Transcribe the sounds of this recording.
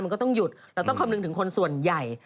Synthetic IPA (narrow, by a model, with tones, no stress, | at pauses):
nma˧kɔ˥˩t̪ɔ˥˩ŋju˨˩t̪̚ɾɛː˦˥wt̪ɔ˥˩ŋkʰa˧mnɯ˧ŋt̪ʰɯ˩˦kʰo˧nsu˨˩ənja˨˩j